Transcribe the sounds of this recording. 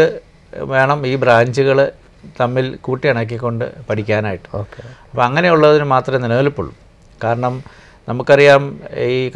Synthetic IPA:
ɨ | ʋe̞ːɳɐmiːbraːɲd͡ʑuɣɐɭ | t̪ɐmːilkuːʈːiɐɳɐk̬ːikʲːo̞ɳɖɨ̰pɐʈʰikʲːaːnaːjiʈːɨ̥oːkeɐpːoɐŋːɐne̞juɭːɐðinɨmaːt̪rɐmenːɐneːlupːṵɭːum | kaːɾɐɳɐm | nɐmukːɐrijaːmik

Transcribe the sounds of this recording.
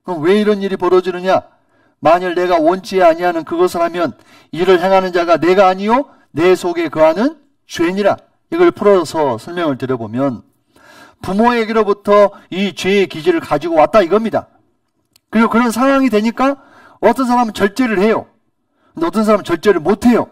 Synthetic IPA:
kwe̞iɾʌniɾipʌɾʌd͡ʑinɯɲa | maɲɯɭne̞ɡawʌnt͡ɕʰieaɲiɦanɯnkɯɡʌsʰɯɭhamjʌn | iɾɯɭɦe̞ŋɦanɯnd͡ʑaɡane̞ɡaːɲijo | ne̞sʰoɡe̞kɯɦanɯn | ɕʰueɲiɾa̰ | iɡʌɭpʰɯɾʌsʰʌsʰʌɭmjʌŋɯɭtɯɾjʌbomjʌn | pumoeɡeɾobutʰʌit͡ɕwe̞ːkid͡ʑiɾɯɭkad͡ʑiɡowat̚t͈aiɡʌmɲida̰ | kɯɾiɡokɯɾʌnsʰaɾaŋidwe̞ɲik͈a | ʌt͈ʌnsʰaɾamɯnt͡ɕʌɭt͈e̞ɾɯɭhe̞jo̰ | ɯndeʌt͈ʌns̬ʰaɾamɯt͡ɕʌɭt͈e̞ɾɯɭmotʰe̞jo̰

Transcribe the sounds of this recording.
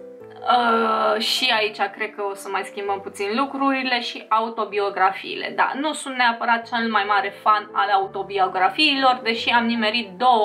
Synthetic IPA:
əʃiait͡ʃʲakɾe̞d̪̚kəo̞səmajskʲimbəmput̪sinlukɾuɾile̞ʃiʔaut̪o̞bio̞ɡɾafḭːle̞̰d̪a̰nusunt̪neapəɾat̪̚t͡ʃe̞lmajmaɾe̞fanalaut̪o̞bio̞ɡɾafiːlo̞rd̪e̞ʃiamnimeɾit̪̚d̪o̞wə

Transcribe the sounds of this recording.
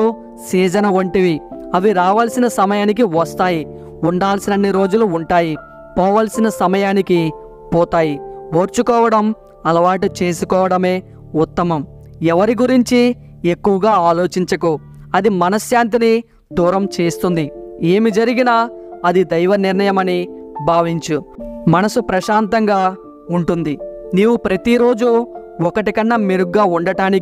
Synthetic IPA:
u | siːd͡ʒɐnɐuɳʈiʋiɐʋiɾaːʋaːlsinɐsɐmɐjaːnik̬iʋɐst̪aːji | uɳɖaːlsinɐnːiɾo̞ːd͡ʒuluːɳʈaːji | pɔːʋaːlɐsinɐsɐmɐjaːniki | pɔːt̪aːjiʋoːɾt͡ʃukɔːʋɐɽɐm | ɐlɐʋaːʈit͡ʃe̞ːsukɔːʋɐɽɐme̞ː | ut̪ːɐmɐm | ɛʋɐɾiɡuɾiɲt͡ʃi | ekːuʋɐɡaːaːlo̞ːt͡ʃiɲt͡ʃɐku | ɐd̪imɐnɐsjaːnt̪̬ini | d̪uːɾɐmt͡ʃe̞ːst̪und̪ie̞ːmid͡ʒɐɾiɡinaːɐd̪id̪ɐjʋɐniɾnɐjɐmɐnibʱaːʋiɲt͡ʃumɐnɐsupɾɐʃaːnt̪ɐŋɡaː | uɳʈund̪iniːwupɾɐt̪iɾo̞ːd͡ʒu | ɔkɐʈikɐnːɐmiɾuɡaːuɳɖɐʈaːni

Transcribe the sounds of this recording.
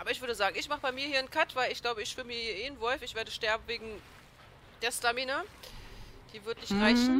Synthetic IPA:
ʔʔaːbɐɪçv̥ʏɐdəzaːɡŋ̩ɪçmaχəbaɪmiːɐhiːɐnkʰatv̥aɪlɪçɡ̥laʊbəɪçʃfɪlmiɐhiːɐʔeːnvɔlfɪçv̥eːɐdəʃtɛɐbm̩veːɡŋ̩ | d̥ɛstamiːnɐ | d̥iːvʏɐtnɪçtʁaɪçn̩

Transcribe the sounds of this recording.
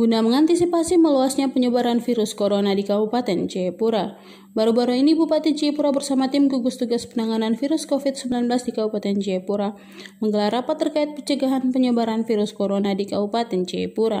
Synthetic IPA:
ɡ̥unaməŋant̪isipasiməluasɲapəɲəbaɾanfiɾʊskoɾonadikabupat̪ɛnt͡ʃɛpuɾa | baɾubaɾuinibupat̪ɪnt͡ʃiɛpuɾabərsamat̪ɪmɡuɡust̪uɡaspənaŋananfiɾʊskofɪt̪̚səmbilanblasdikabupat̪ɛnt͡ʃepuɾa | məŋɡəlarapat̪ːərkaɪt̪̚pət͡ʃəɡaɦanpəɲəbaɾanfiɾʊskoɾonadikabupat̪ɛnt͡ʃɛpuɾa

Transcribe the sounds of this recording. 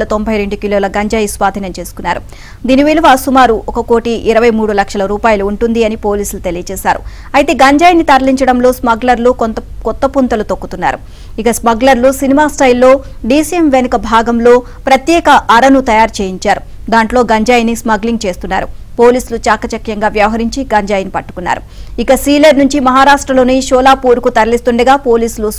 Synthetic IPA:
lɐt̪o̞mbʱɐjɾe̞ɳɖukiloːlɐɡɐɲd͡ʒaːjisʋaːd̪ʱinɐmt͡ʃe̞ːsu̥kunːa̰ːɾṵ | d̪iːniʋiːliʋaːsumaːɾuʔɔkɐko̞ːʈiʔiɾɐʋɐjmuːɽulɐkʂɐlɐɾuːpaːjɐluːɳʈund̪iɐnipo̞ːliːslut̪e̞lijɐt͡ʃɛːʃaːɾṵ | ɐjt̪e̞ːɡɐɲd͡ʒaːjnit̪ɐɾɐliɲt͡ʃɐɽɐmlo̞ːsmɐɡlɐɾlukɔt̪ːɐpunt̪ɐlut̪okːut̪unːa̰ːɾu | ikɐsmɐɡlɐɾlusinimaːsʈɐjilːo̞ː | ɖiːsiemʋenukɐbʱaːɡɐmlo̞ː | pɾɐt̪jɛːkɐʔːɾɐnut̪ɐjaːɾt͡ʃeːjiɲt͡ʃaːɾu | d̪aːɳʈlo̞ːɡɐɲd͡ʒaːjnismɐɡliŋɡ̚t͡ʃe̞ːst̪unːa̰ːɾupo̞ːliːsulut͡ʃaːkɐt͡ʃɐkjɐŋɡaːʋjɐʋɐɦɐɾiɲt͡ʃiɡɐɲd͡ʒaːjɐnipɐʈːu̥kunːa̰ːɾu | ikɐsɾiːlɐɾnuɲt͡ʃimɐɦaːɾaːʂʈɾɐlo̞ːniʃɔːlaːpuːɾukut̪ɐɾɐlist̪uɳɖɐɡaːpo̞ːliːsulu

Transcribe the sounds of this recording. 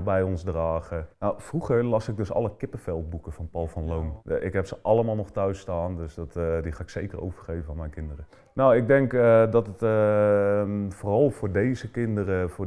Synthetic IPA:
bɛjɔnsdraːɣənowfruχəɹlɑsɪɡ̚dɵsɑ̰ləkɪpəfɛlˠt̚bukəfɑnpɑlˠfɑnlowmɪ̰kɦɛpsəʔɑlˠəmaːlˠnɔχtœɥstaːndøsdɔtdixaːɪksejkəro̰wvərχejvəfaːnmɛjnkɪndərə | nowɪɡ̚dɛŋkdɔtət | foːrɑlˠfʊːɹdejzəkɪndəɾəfʊː

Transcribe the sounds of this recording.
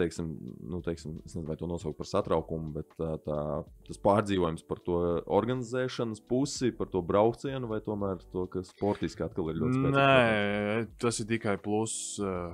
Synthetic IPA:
t̪ɛjksɪmnut̪ɛɪksɪmesnezɪnʋajt̪uɔnuɔsaʊk̚paɾsat̪ɾaʊkumubɛt̪ːat̪aːt̪aspaːɾd̪ziːʋuɔjumspaɾt̪uɔɔɾɡanizɛːʃɐnəspusipaɾt̪uɔbɾaʊkt̪siɛnʊʋajt̪uɔmæːɾt̪uɔkaspɔɾt̪iskʲat̪̚kalˠiɾʎʲuɔt̪spɾɛnɛ | t̪asɪɾt̪ikajplˠus

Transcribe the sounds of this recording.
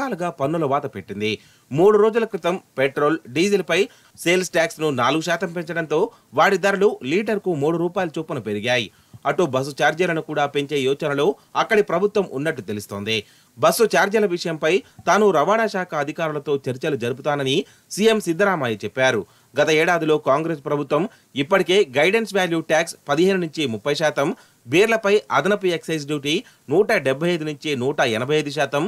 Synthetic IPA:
aːlɐɡaːpɐnːulɐʋaːt̪ɐpeʈːind̪i | muːɽuɾo̞ːd͡ʒulɐkɾit̪ɐmpeʈɾo̞ːlɖiːsilpɐj | seːlsʈaːksnunaːluɡuʃaːt̪ɐmpe̞ɲt͡ʃɐɽɐnt̪o̞ː | ʋaːɽid̪ɐɾululiːʈɐɾkumuːɽuɾuːpaːjɐlut͡ʃuːpɐnupe̞ɾiɡaːji | ɐʈːubɐs̬ut͡ʃaːɾd͡ʒɐlɐnukuːɽaːpe̞ɲt͡ʃe̞ːjɔːt͡ʃɐnɐloː | ɐkːɐɽipɾɐbʱut̪ʋɐmʔunːɐʈːut̪e̞lust̪o̞ːnd̪i | bɐsut͡ʃaːɾd͡ʒɐlɐʋiʂɐjɐmpɐjt̪aːnuɾɐʋaːnaːʃaːkʰɐɐd̪ʱikaːɾulɐt̪o̞ːt͡ʃɐɾit͡ʃɐlud͡ʒɐɾubut̪aːnɐni | sijemsid̪ʱːɐɾaːmaːjɐt͡ʃɛpːaːɾu | ɡɐt̪ɐɛːɽaːd̪ilo̞ːkaːŋɡɾeːspɾɐbʱut̪ʋɐm | ipːɐʈike̞ːɡɐjɖe̞nsʋaːljuːʈaːkspɐd̪iɦeːnunuɲt͡ʃimupːɐjʃaːt̪ɐm | bʱiːɾlɐpɐjɐd̪ɐnɐpieksɐjs̬ɖjuːʈi | nuːʈɐɖɛbʱːɐjɐjd̪inuɲt͡ʃinuːʈɐɛnɐbʱɐjɐjd̪uʃ̬aːt̪ɐm

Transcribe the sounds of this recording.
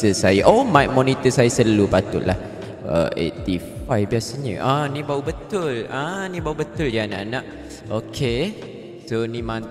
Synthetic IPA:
əsajaʔomajk̚monit̪əsajasəlupat̪ʊʔ̪la̰h | ə̰ʔḛt̪ifajbiasaɲə̰̃ʔanĩbaubət̪ʊlanĩbaubət̪ʊldiana̰ʔanaʔ | okʰe | sonĩmãn

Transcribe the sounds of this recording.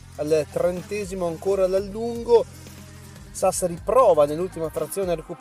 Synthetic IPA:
alt̪ɾent̪ɛːzimoaŋkoːɾalalːuŋɡo | saseɾipɾɔːvanelːult̪imaːt̪ːɾat̪sːjoːneɾekup

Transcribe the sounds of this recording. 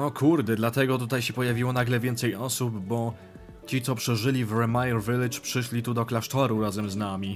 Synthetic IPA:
ɔkʰuɾd̪ɛd̪lat̪ɛɡɔt̪ut̪ajɕɛpɔjavʲiwɔnaɡlɛvʲjɛnt̪sɛjɔsubːɔ | t͡ɕit̪sɔpʂɛʐɘlʲivɾɛmajɛɾvɘlɘt͡ʂpʂɘʂlʲit̪ud̪ɔklaʂt̪ɔɾuɾazɛmznamʲi

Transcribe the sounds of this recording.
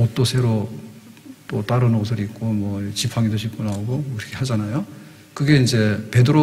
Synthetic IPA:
ot͈osʰe̞ɾo | t͈ot͈aɾɯnɡʌs̬ʰɯɾik͈omwʌt͡ɕipʰaŋidoɕʰik͈onaoɡokiɾʌkʰeɦad͡ʑanajo | kɯɡe̞ind͡ʑe̞pe̞dɯɾo

